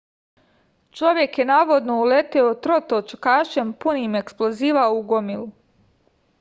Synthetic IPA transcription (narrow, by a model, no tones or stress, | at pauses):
t͡ʃo̞ʋje̞kjenaːʋo̞d̪no̞ulet̪eot̪ɾo̞t̪ot͡ʃkaːʃempuniːme̞ksplˠo̞ziːʋaouɡomilu